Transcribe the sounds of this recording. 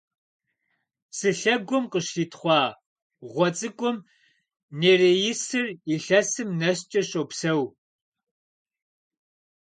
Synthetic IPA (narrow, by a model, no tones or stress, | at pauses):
sɨɬɐɡʷʊmqəʃɬiːtʰχʷɑː | ʁʷɔt͡sʼɨkʷʼʊm | neːreːjɪsɨriɬɐsɨmnɐst͡ʃʼɐɕʼoːpsɐw